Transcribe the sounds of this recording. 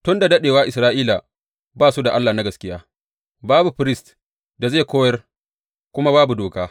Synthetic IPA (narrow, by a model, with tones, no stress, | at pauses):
tʊ˦nda˨dɐ˦ɗeː˨waː˦ʔɪ˨sɾaː˦ʔiː˦la˨ | baː˦su˦da˨ʔa˦lːaː˨na˦ɡɐ˨skʲɪ˦jaː˦ | baː˦bu˨ɸɪ˦ɾɪ˦st | da˨zeː˦˨kʷoː˦jɐ˦r | kʷʊ˦ma˦baː˦bu˨doː˨kaː˦